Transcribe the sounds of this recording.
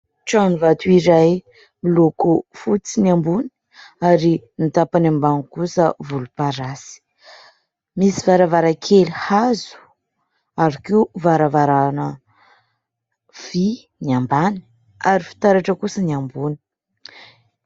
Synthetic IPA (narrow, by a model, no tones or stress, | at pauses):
ʈ͡ʂanivat̪uiɾaj | milokofut͡siniambuni̥ | aɾinit̪apanambaŋkusəvulupaɾasi̥ | misivaɾavaɾakʰelihazu̥ | aɾikiuvaɾavaɾanə | v̥i | niambani̥ | aɾifi̥t̪aɾaʈ͡ʂəkusəniambuni̥